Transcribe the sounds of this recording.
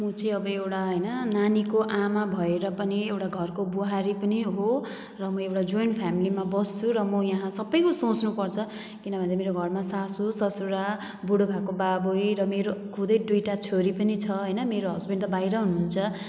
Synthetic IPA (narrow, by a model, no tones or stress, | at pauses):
mʌt͡sʌĩʌbʌewʈaɦʌjnʌnanikoʔamabʱʌeɾʌpʌniewʈaɡʱʌrkobuɦaɾipʌniɦo | rʌmʌewʈad͡zojnpʰjamilimabʌst͡sʰuɾʌmʌjaɦãsʌbʌjkosõt͡snupʌrt͡sʰʌ | kinʌbʱʌnd̪emeɾoɡʱʌrmasasusʌsuɾa | buɽobʱakobabujɾʌmeɾokʰud̪ʌjd̪ujʈat͡sʰoɾipʌnit͡sʰʌɦʌjnʌmeɾoɦʌsbʱenɖt̪ʌbajɾʌɦunuɦunt͡sʰʌ